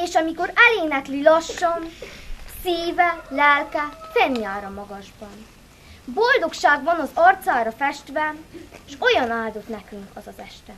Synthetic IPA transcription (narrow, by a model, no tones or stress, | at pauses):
eːʃɒmiko̞ɾɛleːnɛklilɒʃːɒnsiːvɛlɛlkɛfɛnjaːɾɒmɒɡɒʒbɒn | bo̞ld̪o̞kʃaːɡbɒnɒzɒrt̪saːɾɒfɛʃt̪ʋɛʃo̞jɒnaːld̪o̞t̪nɛkyŋkɒzɒzɛʃt̪ɛm